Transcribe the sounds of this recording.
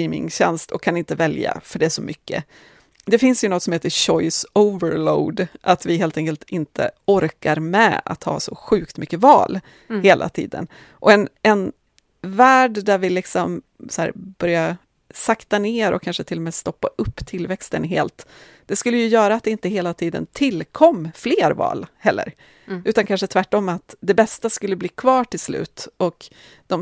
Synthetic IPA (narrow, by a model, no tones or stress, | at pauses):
iːmɪ̰ŋɕɛ̰nst̪ʰɔkʰːanɪnt̪əvɛlja̰fœɖɛæʂɔmʔʏkːə̰ | d̪ɛfɪnsjɵnɔt̪sɔmheːt̪əɕɔjsoʊvəɾloʊd̪ʔat̪vɪɦeːlt̪ɛŋkəlt̪ʰɪnt̪ʰə̰ɔɾkaɾmɛ̰a̰t̪hɑ̰ːsɔɧʉ̟ːkt̪mʏkːəvɑ̰ːl | heːlʔa̰t̪ʰḭːd̪ə̰n | ʔɔɛnɛn | væːɖd̪æɾvɪlɪksɔm | sæ̰ːɾb̥œɾja | sakt̪aneːɾɔ̰kʰːanʂət̪ʰɪlːɔmɛːst̪ɔpːa̰ʔɵpːt̪ʰɪlːvɛkst̪ənɦeːlt̪ | d̪̥ɛskɵlːəjɵjœːɾaːt̪̚d̪ɛɪnt̪əɦeːlat̪ʰiːd̪ə̰nt̪ʰɪlkʰɔmːfleːɾvɑ̰ːlhɛlːə̰ɾ | ʔʉ̟ːt̪ankʰanʂət̪ʰvæʈːɔmːat̪d̪ɛbɛst̪askɵlːəbliːkʰvɑːʈɪlslʉ̟ːt̪ɔk | d̪̥ɔm